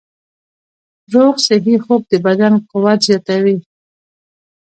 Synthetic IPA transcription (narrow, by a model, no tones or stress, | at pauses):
ɾoɣsɪɦixob̚d̪əbad̪anqʊwat̪zjɑt̪awi